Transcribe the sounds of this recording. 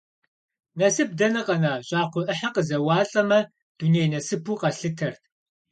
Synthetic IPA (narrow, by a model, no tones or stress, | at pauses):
nɐsɨp̚dɐnɐqɐnaːɕʼaːqʷʊʔəħaqəzɐwɑːɬʼɐmɐ | d̥uneːjnɐsɨpʰuːqɐɬɨtʰɐrtʰ